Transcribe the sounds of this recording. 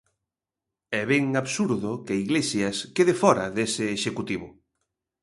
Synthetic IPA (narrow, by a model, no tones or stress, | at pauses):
ɛβɛŋaβsuɾðʊkɪaiɣlesjɐskeðɪfɔɾɐðesɪːʃekut̪iβ̞ʊ